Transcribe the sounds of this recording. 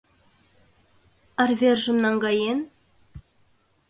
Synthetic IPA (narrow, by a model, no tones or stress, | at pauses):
ɑrvʲerʒə̆mnɑŋɡɑjen